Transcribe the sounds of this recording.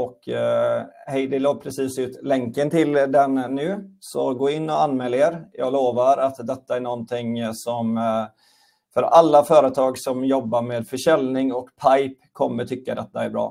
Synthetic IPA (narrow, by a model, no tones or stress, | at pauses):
ɔkː | hɛjd̪ɛloːpʰɾɛsiːsʉ̟ːt̪lɛŋkənt̪ʰɪld̪ɛnːʉ̟ːsɔɡoːɪnːɔanːmɛːlːaeːɾjɑ̰ːɡloːvaɾat̪d̪ɛt̪ːaæɳɔnt̪ʰɪŋsɔm | fœɾalːafœːɾət̪ʰɑːɡsɔmjɔbːaɾmeːd̪fœʂɛlnɪŋɔkpʰaɪpkʰːɔmːəʈ̪ʰʏkːad̪ɛt̪ːaæɾbɾɑ̰ː